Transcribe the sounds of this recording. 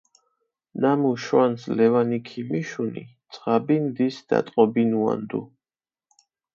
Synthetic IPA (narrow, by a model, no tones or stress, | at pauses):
namuʃwanslɛvanikʰimiʃunḭt̪sʼʁabind̪isd̪̥a̰t̪ʼqʼɔbinua̰nd̪ṵ